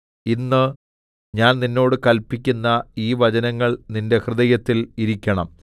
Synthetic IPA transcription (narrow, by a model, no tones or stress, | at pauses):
inːɨ | ɲaːnninːo̞ːɽɨkɐlpːikʲːunːɐiːʋɐd͡ʑɐnɐŋːɐɭninde̞hrɨðɐjɐt̪ːiliɾikʲːɐɳɐ̰m